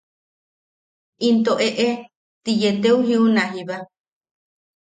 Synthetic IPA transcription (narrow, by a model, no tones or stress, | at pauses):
ʔint̪oʔeʔe | t̪ijet̪euɦiunaɦiβa